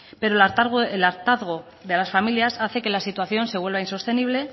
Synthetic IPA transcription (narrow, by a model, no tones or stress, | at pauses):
pe̞ɾoaelaɾt̪aðɣ̞o | ðe̞lasfamiljasaθe̞ke̞lasit̪waθjo̞nse̞βwe̞lβainso̞st̪e̞niβ̞le̞